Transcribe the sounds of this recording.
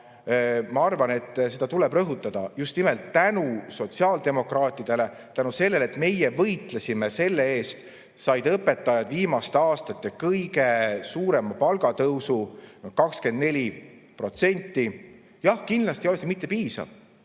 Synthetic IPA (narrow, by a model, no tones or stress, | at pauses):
mɑɑrvɑne̞t̪ːse̞d̪̥ɑt̪ulɛb̥rɤɦut̪ːˑɑd̪̥ɑjust̪nimelt̪ːænuso̞t̪siɑːld̪̥e̞mo̞krɑːt̪ːˑid̪̥e̞le̞ | t̪ænuse̞lːe̞let̪me̞jevɤjt̪lesʲimese̞lːeeːst̪ | sɑjd̪ɤpːˑe̞t̪ːˑɑjɑd̪viːmɑst̪eɑːst̪ɑt̪ːˑe̞kɤjɡe̞suːɾe̞mɑpɑlɡ̥ɑt̪ɤwsunokɑkske̞nd̪ne̞lʲi | pro̞t̪se̞nʲt̪ːˑi | jɑhkind̪lɑst̪ijoesemit̪ˑːe̞piːsɑ̰v̥